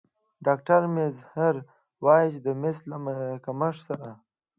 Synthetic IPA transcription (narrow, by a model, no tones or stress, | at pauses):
ɖaːk̚ʈaɾmezhəɾ | wɑːjɕd̪əmɪslamkaməʂsaɾa